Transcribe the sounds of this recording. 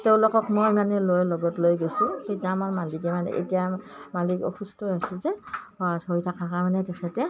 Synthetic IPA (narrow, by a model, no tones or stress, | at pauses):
teʊ̃lokɔkmojmanɛlojlɔɡɔtlojɡojsʊ̃tetijaːmaɹmalikɛmanɛ̰ʔḛtijamalikɔ̰xustɔjasɛzɛɔatʰoɹitʰakakamanɛtɛxʰɛtɛ